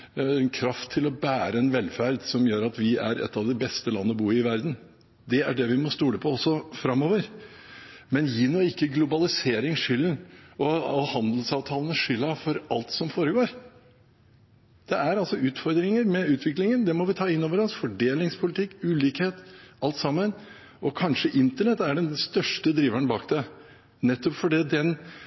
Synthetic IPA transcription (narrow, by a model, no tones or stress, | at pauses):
ɛnkʰɾɑft̪ʰːɪlɔbæːɾəɛnʋɛlfæɾd̪sɔmjøːɾɑt̪ʋɪæɾɛ̰t̪ːɑʋd̪ɪbɛst̪əlɑ̰nːəbuːɾɪʋæɾd̪n̩ | d̪ɛæɖɛʋɪmɔst̪uːləpʰɔɔsːɔfɾɑmːoːʋəɾ | mɛnjiːnɔɪkːəɡlʊbɑlɪseːɾɪŋʂʏlːənʔɔɔhɑnd̪əl̩sɑːʋt̪ʰɑːlənəʂʏlːɑfɔɾɑlt̪sɔmfoːɾəɡoːɾ | d̪̥ɛæɾɑlsɔʉːt̪fɔɾd̪ɾɪŋəɾmɛʉːt̪ʰʋɪklɪŋənd̪ɛmɔʋɪt̪ʰɑːɪnːoːʋəɾɑnsfɔɖeːlɪŋspʰʊlɪt̪ʰɪkːʉːliːkheːt̪ɑlt̪sɑmːən | ɔkʰɑnʂəʔɪnt̪əɳɛt̪ːæɖɛnst̪œʂʈəd̪ɾiːʋæɳbɑːkd̪ɛ | nɛt̪ːɔpfɔɖiːd̪ɛn